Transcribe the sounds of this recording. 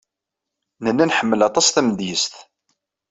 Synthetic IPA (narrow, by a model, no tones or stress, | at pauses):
nənːænħəmːəlɑt̪ˤɑsθæmd̪jəst̪